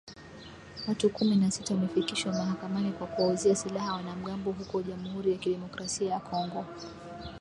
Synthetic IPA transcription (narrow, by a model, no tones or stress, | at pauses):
watukuminasitawamɛfikiʃwamaɦakamanikwakuauziasilahawanam̩ɠambɔɦukɔʄamuhuɾijakiɗɛmɔkɾasiajakʰɔŋɡɔ